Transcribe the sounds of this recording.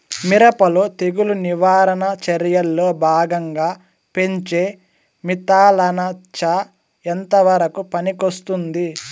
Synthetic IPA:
miɾɐpɐlot̪eɡuluniʋaːɾɐnɐt͡ʃɐɾjɐlːoːbʱaːɡɐŋɡaː | pe̞ɲt͡ʃe̞ː | mit̪aːlɐnɐt͡ʃɐ | ent̪ɐʋɐɾɐkupɐnikost̪und̪i

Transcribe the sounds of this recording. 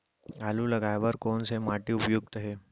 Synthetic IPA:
alulaɡajʋəɾkonsemaʈiːupjuɡ̚t̪əɦe

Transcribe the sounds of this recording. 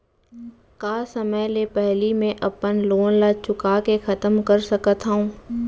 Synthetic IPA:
kaːsɐməjlepɛɦlimẽʔɐpənloːnlat͡ʃʊkakexɐt̪əmkəɾsɐkət̪ɦəũː

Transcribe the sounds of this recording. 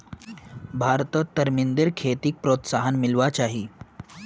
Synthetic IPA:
bʱaɾt̪ət̪ːəɾmind̪eɾkʰet̪iːk̚pɾot̪saɦanmilʋat͡ɕaɦiː

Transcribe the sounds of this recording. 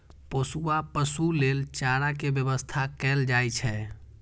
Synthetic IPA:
posuapəsulelt͡ʃaɾakebjəbəst̪ʰakɛld͡ʒajt͡ʃʰɛ

